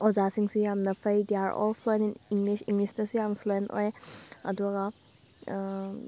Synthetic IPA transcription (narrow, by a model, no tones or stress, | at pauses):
ɔzasiŋsujamnapʰəjdiaɹɔ̰pʰlɔjniniŋlisiŋlisnasujampʰlɔenɔ̰jaduaɡa